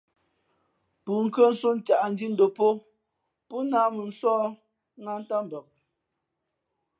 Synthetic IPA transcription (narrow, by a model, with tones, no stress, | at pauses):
pu˨ŋ̩˨kə˦n̩˦su˦n˦t͡ʃa˨ʔn̩˦d͡ʒi˦n̩˦do˨po˦ | pu˦naː˨˦mu˨n̩˦swɔː˦ | ŋa˦n˦ta˦m˨bə˨k̚